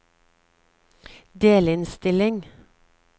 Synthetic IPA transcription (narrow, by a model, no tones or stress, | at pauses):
d̪eːlɪnst̪ɪlɪŋ